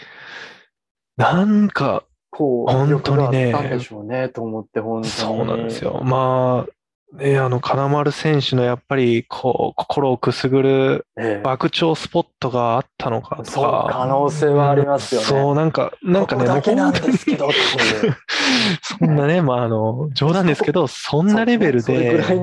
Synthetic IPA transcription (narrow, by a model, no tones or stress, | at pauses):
nãŋka̰ | kʰoːhõ̞nt̪ːo̞ɲine̞d̪eoːnet̪oːmot̪ːehõnso̞ːnã̰nd̪esɨjo̞̰maː | ne̞ano̞kʰanamaɾɯ̟sẽ̞ɰ̃ɕɨno̞japːaɾʲikʰo̰ːkʰo̥kʰo̞ɾo̞ːkɯ̟sɨɡɯ̟ɾɯ̟b̥akɯ̟t͡ɕo̞ːsɨ̥po̞t̪ːo̞ɡaːt̪ʰːano̞kʰa̰t̪ooka̰anoːseːβaːɾʲimasɨjosoːnãŋka̰nãŋkanemoːhõt̪oɲ | sõ̞nːane̞maːno̞d͡ʑo̞ːd̪ãnd̪e̞sɨ̥ke̞d̪o̞sõ̞nːaɾe̞be̞ɾɯ̟d̪eɯɾa